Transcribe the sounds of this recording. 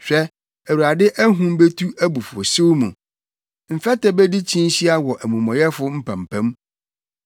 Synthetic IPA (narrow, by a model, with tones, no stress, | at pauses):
ɕᶣɛ˦ | æ˨wu˨ɾa˨dɪ˦ʔæ˦ɦũ˦m˦be˦tʰu˦æ˦bu˨fʊ˨o̰˨sɪ˦wmũ˨ | m̩˨fɛ˦tʰɛ˦be˦di˦t͡ɕʰĩ˦n˦ɕi˦a˦wɔ˨ʔæ˨mũ˨mɔ̃˨jɛ˦fʊ˦m̩˦pʰã˨m˨pʰæ̃˦m